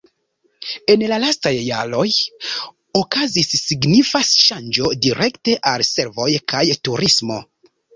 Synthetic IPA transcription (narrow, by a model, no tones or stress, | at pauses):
e̞nlalastajːa̰ɾo̞j | okazisːiɡnifasʃand͡ʒo̞diɾʔe̞kte̞ʔalse̞ɾvo̞jkʰajtuɾismo̞̰